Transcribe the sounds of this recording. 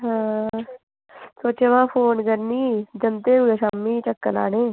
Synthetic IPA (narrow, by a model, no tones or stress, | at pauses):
ɦãː | soːt͡ʃeʋãːpʰoːnkəɾniːd͡ʒənt̪eːuesaːmːiːt͡ʃəkːəla̰ːneː